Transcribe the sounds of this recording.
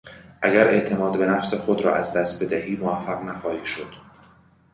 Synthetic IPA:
ʔæɡæɾʔe̞ʔt̪ʰe̞mɒːd̪be̞næfse̞xo̞d̪ɾɒ̰ːʔæzd̪æst̪̚be̞d̪æhiːmoæfːæɣnæxɒːhiːʃo̞d̪̥

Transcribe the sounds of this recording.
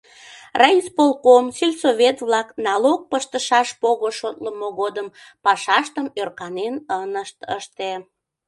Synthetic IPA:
rɑispolkomsilʲsovʲet̪βlɑknɑlok̚pəʃt̪əʃɑʃpoɣoʃot̪ləmoɣod̪əm | pɑʃɑʃt̪əmørkɑnenənəʃt̪əʃt̪e

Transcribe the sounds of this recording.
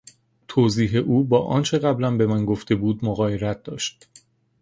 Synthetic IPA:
t̪ʰoːziːɦe̞ʔuːbɒːʔɒːnt͡ʃʰe̞ɣæblænbe̞mænɡoft̪e̞buːd̪moɣɒːje̞ɾæt̪̚d̪̥ɒːʃt̪̚

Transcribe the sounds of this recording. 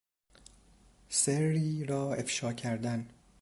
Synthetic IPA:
seriːɾɒːefʃɒːcʰæɾd̪æn

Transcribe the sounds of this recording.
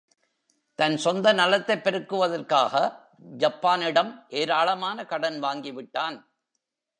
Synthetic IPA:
t̪ɐnsɔnd̪ɐnɐlɐt̪ːɐɪpːɛɾɯkːɯʋɐðɐrkaːɣɐ | d͡ʒɐpːaːnɪɽɐmʔeːɾaːɭɐmaːnɐkɐɽɐnʋaːŋɡɪʋɪʈːaːn

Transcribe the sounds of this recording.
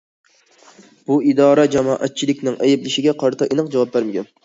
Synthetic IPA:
b̥uid̪ɑːɾɑd͡ʒɑmɑːʔæt̪̚t͡ʃʰilɪkʲnɪŋʔæjɪblɪʃɪɡʲɛqʰɑɾt̪ʰɑʔenɨqd͡ʒɑwɑp̚bæɾmɪkʲɛn

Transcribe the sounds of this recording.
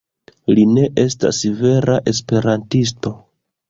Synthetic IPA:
line̞ʔe̞sta̰sive̞ɾaʔe̞spe̞ɾantis̬to̞

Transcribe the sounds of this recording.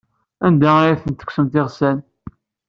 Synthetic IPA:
ænd̪æajæθənt̪ːə̥ksəmt̪ɪʁsæn

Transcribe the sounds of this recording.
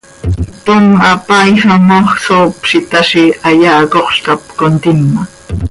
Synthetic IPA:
t̪omapajhamoχsoːpʃɪt̪aʃɪaʎaːkoχʃk̪ap̚kont̪ɪnːa

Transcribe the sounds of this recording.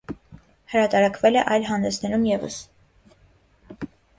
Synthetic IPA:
həɾɑt̪ɑɾɑkʰvɛlɛʔɑjlɦɑnd̪ɛsnɛɾumjɛvə̰s

